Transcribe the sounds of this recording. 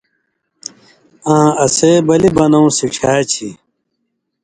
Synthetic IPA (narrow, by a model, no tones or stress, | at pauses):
ãːɐseːbɐlibɐnɐw̃siʈ͡ʂʰaːt͡ɕʰi